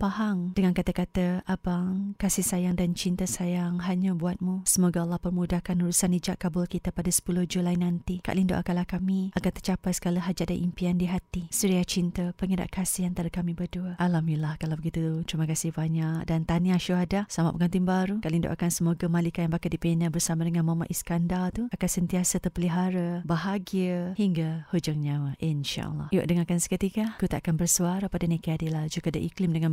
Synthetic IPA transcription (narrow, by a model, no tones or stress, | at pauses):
pahaŋd̥əŋankat̪akat̪əabaŋkasɪhsajaŋdant͡ʃint̪əsajaŋɦaɲabuat̪̚musəmoɡaalːahpərmudakanuɾusanid͡ʒaʔkabʊlkit̪apadasə̥pulʊhd͡ʒulajnant̪ika̰ʔlindo̰ʔa̰kanlahkamiaɡat̪ərt͡ʃapajsə̥kaləɦad͡ʒaʔ̚danʔimpiandiɦat̪isəɾiat͡ʃint̪əpəŋəɾa̰ʔkasɪhant̪aɾakamĩbərduəʔalamilahkalawbəɡit̪ut̪ɾiməkasɪhbaɲaʔ̚dant̪aniaʃuɦadasama̰pəŋant̪iŋbaɾukalindo̰ʔakansəmoɡamalikajanbakaʔdipinabərsamadəŋanmama̰ʔiskandalt̪uakansənt̪iasat̪ərpəliɦaɾabaɦaɡiəhiŋɡahud͡ʒaŋɲawaʔinʃa̰ʔlːɑ̰hjo̰ʔdəŋakansə̥kət̪ikakut̪aʔakanbərsuaɾapadanekəadilahd͡ʒuɡadaʔiklɪmdəŋãn